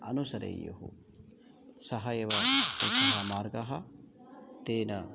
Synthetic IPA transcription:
ɐnusɐɾḛjṵɦṵ | sɐɦɐjeʋɐt̪esɐɦɐmaːɾɡɐɦɐ | t̪eːnɐ

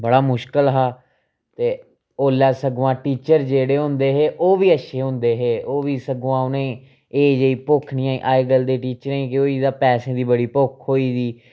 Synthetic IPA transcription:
bəɽaːmʊʃkəlɦaː | t̪eː | oːlɛːsəɡʋãːʈiːt͡ʃəɾd͡ʒeːɽeːɦʊ̃nd̪eːɦeːʔoːʋiːəʃʰeːɦʊ̃nd̪eːɦeːoːʋiːsəɡʋãːʊnẽː | eːd͡ʒeːiːpʊkʰnĩːãːḭʔaːeːɡəld̪eːʈiːt͡ʃəɾẽĩːkɪoːiːd̪ãːpɛːsẽːd̪iːbəɽiːpʊkʰɦoːiːd̪iː

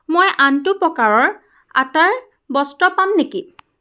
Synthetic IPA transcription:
mojʔantʊpɔkaɹɔɹ | a̰taɹ | bɔstɔpamneki

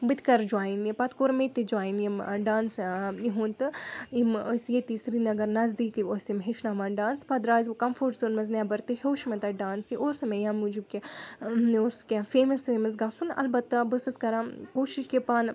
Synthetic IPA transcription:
bɨt̪kɐɾd͡ʒwaːjinipɐt̪koɾmet̪id͡ʒwaːjinjeɖaːnsiɦunt̪ɨimosjet̪iːsɾinɐɡɐɾnɐzd̪iːkosimɦeʃnaːʋaːnɖaːnspɐd̪ɾaːzukɐmfoɾʈzunmɐznjabɐɾt̪ɨhoːʃmɐt̪ɐɖaːnsiʔosɐmẽjãːmud͡ʒibkʲi | oːskʲafeːmɐsfeːmɐs̬ɡaːsunɐ̰lbɐt̪ːɐbɨsɨskɐɾãːkoːʃiʃkipaːn

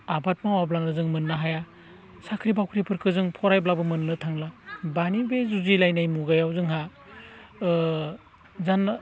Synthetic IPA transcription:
abat̚mawablaŋnɯzɯŋmɯnːaɦaja | sakʰɾibawkʰɾipʰɯɾkʰɯzɯŋpʰɔɾajblabɯmɯnːɯtʰaŋlabanibezuzilajnajmuɡajawzɯŋɦa | zan

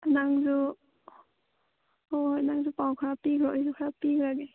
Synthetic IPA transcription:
naŋzu | onaŋzupawkʰɾapiɡʰɔɔjzukʰɾapiɡɾaɡe

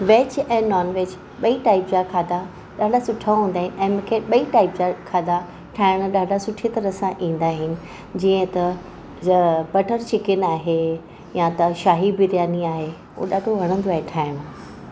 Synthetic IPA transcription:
ʋeːt͡ɕɛ̃ːnɔːnʋeːt͡ɕ | ɓɐiʈaːɪpd͡ʑakʰaːd̪a | ɗaːɖasʊʈʰaɦũːnd̪aːɦɪnɪ̆ʔɛ̃ːmũːkʰeɓɐiʈaːɪpd͡ʑakʰaːd̪a | ʈʰaːɪɽ̃ɗaːɖʱasʊʈʰit̪ɐɾəsãʔĩːn̆d̪aːɦɪnɪ̆ | d͡ʑiːə̃t̪ɐ | bɐʈʰəɾt͡ɕɪkɪnaːɦe | jãt̪ɐʃaːɦibɪɾjaːniaːɦe | ɦo̰ːɗaːɖʱoʋɐɽ̃ə̃nd̪oaːɦeʈʰaːɪɽ̃ʊ

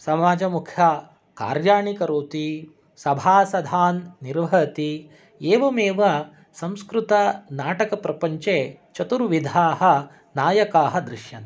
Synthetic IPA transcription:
sɐmaːd͡ʒɐmukʰjɐ | ka̰ːɾjaːɳikɐɾoːt̪i | sɐbʱaːsɐd̪ʱaːnːiɾʋɐt̪i | eːʋɐmeːʋɐ | sɐ̃mskɾut̪ɐnaːʈɐkɐpɾɐpɐɲt͡ʃeːt͡ʃɐt̪uɾʋid̪ʱaːɦɐ̆ | naːjɐkaːɦɐd̪ɾɪʃjɐ̰n

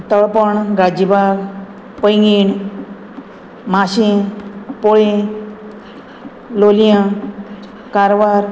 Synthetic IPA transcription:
t̪əɭpəɳɡad͡ʑibaɾ | pəjŋɡiɳ | maɕi | poɭĩ | lolijã | kaɾʋaɾ

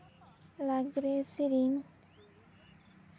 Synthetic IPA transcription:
laɡɾesiɾin

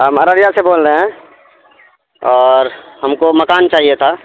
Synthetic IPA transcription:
ɦəməɾaɾjaseboːlɾeɦɛ̃ | ɔːɾɦəmkoməkaːnt͡ʃaːɦiet̪ʰa

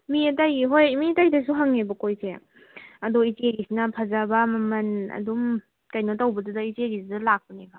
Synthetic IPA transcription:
mietajiɦojmitajdas̬uɦaŋːebɐkojsḛ | ɐdoiteɡisinapʰazabamɐmɐnɐ̰dum | kajnotawbɐdudaiteɡisdalak̚pɐneba

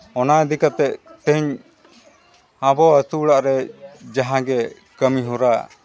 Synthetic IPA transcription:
ɔnaɛd̪ikat̪ɛʔt̪əɲ | ãbɔasuɽaʔɾɛd͡ʒaɦãɡɛ | kəmiɦuɾa

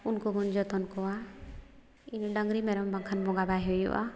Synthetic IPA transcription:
unkuɡund͡ʒɔt̪ɔnkɔwa | inɖəŋɡɾimɛɾɔmbaŋkʰanbɔɡabaɦejɔ̰ʔa̰

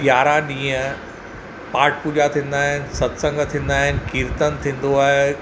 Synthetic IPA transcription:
jaːɾãɗĩːə̃ | paːʈʰpuːd͡ʑat̪ʰĩːn̆d̪aːɦɪnɪ̆sɐt̪sə̃ŋɡt̪ʰĩːnd̪aːɦɪnɪ̆kiːɾt̪ənt̪ʰĩːn̆d̪oaːɦe

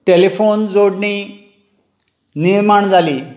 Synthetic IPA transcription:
ʈelefond͡zoɽɳi | niɾmaɳd͡zali

